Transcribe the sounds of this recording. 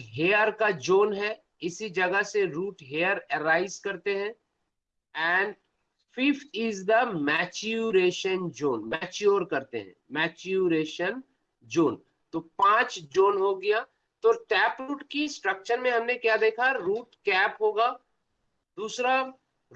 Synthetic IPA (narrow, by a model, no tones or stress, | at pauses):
ɦeːəɾkad͡ʒoːnɦɛ | ɪsid͡ʒɐɡəseɾuːʈɦeːəɾɛɾaːɪzkɐɾt̪eɦɛ̃ | ɛ̃ːɳɖ | fɪft̪ʰɪzd̪əmɛːt͡ʃuɾeːʃənd͡ʒoːnmɛːt͡ʃoːɾkɐɾt̪ḛɦɛ̰̃mɛːt͡ʃuɾeːʃən | d͡ʒoːn | t̪opãːt͡ʃd͡ʒoːnɦoɡɐja | t̪oːʈɛːpɾuːʈkisʈɾəkʃəɾmẽɦɐmnekjad̪eːkʰaɾuːʈkɛːpɦoːɡaː | d̪uːsɾa